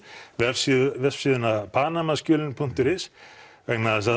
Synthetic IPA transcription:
vɛ̥sivɛ̥siːðʏnaðpʰaːnamascʏːlɪnpʰun̥t̪ʏɾɪsvɛknaðasa

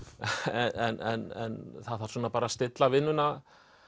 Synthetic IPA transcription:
ɛɛnɛnɛ̰nθaðθaɾ̥suːnapaːɾast̪ɪt̪lavɪnːʏna

